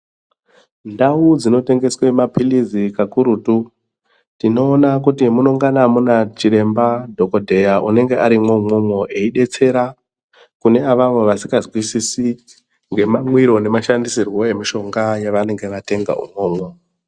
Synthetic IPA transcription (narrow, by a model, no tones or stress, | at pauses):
ndaud͡zino̞te̞ŋɡe̞swemapʰilizikakuɾutu | tino̞ːnakutimuno̞ŋɡanamunat͡ʃiɾe̞mbadʱo̞ko̞dʱe̞jaʔune̞ŋɡe̞aɾimwo̞momo̞ʔe̞iɗe̞t͡se̞ɾa | kune̞aʋaʋo̞ʋasikɡazwisisi | ŋɡe̞mamwiɾo̞ne̞maʃandisirwo̞e̞miʃo̞ŋɡajaʋane̞ŋɡe̞ʋate̞ŋɡa̰ṵmo̞ːmo̞